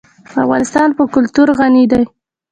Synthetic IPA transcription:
avɣɑnɪst̪ɑnpəkʊlt̪uɾɣanid̪aj

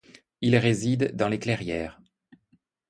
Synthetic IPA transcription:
ilʁezid̪ːɑ̃leklɛʁjɛːʁ

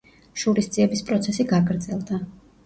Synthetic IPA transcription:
ʃuɾisd̪ziɛbispʼɾɔt̪sʰɛsiɡaɡɾd̪zɛlˠd̪a

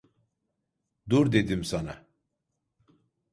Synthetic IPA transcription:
d̪uɾd̪ed̪imsana̰

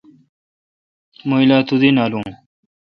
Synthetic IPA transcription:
moilaːt̪ud̪inaːluŋ

